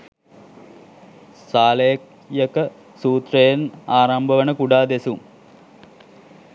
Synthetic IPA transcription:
saːlejk | jɐkɐ | suːt̪rɐjɐnaːɾɐmbʱɐʋɐɳəkuɖaːd̪esum

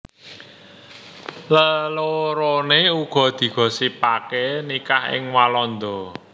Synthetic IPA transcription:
ləloɾoneuɡ̥ɔ̤d̪̥i̤ɡ̥ɔ̤sipakenikahɪ̰ŋwalɔnd̪ɔ

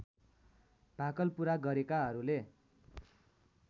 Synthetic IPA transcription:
b̥ʱakʌlpuɾaɡʌɾekaɦʌɾule

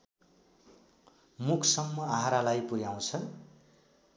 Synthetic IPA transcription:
mukʰsʌmːʌaɦaɾalajpuɾjaw̃t͡sʰʌ

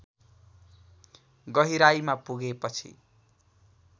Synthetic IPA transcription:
ɡʌɦiɾajmapuɡepʌt͡sʰḭ

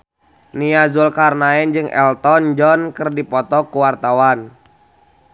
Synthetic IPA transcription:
niazulkarnaɛnd͡ʒɨŋʔɛ̰lt̪ɔnd͡ʒɔnkɨrdipɔt̪ɔkuwart̪awan

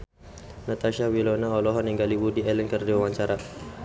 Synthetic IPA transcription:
nat̪aʃawilɔnaɔlɔɦɔniŋɡaliwudiɛlɛnkərdiwawaɲt͡ʃaɾa

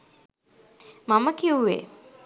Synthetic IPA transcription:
maməkiuʋḛː

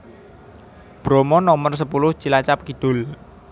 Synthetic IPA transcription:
b̥ɾɔmɔnɔmərs̬əpulʊht͡ʃilat͡ʃap̚kid̪̥ʊ̤l

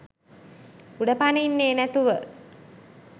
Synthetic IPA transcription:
uɖəpanəinːeːnæt̪uʋə

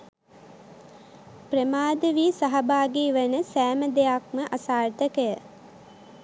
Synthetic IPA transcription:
prəmaːd̪əʋiːsaɦabaːɡiːʋənəsæːməd̪ejakməʔasaːrt̪əkəjə

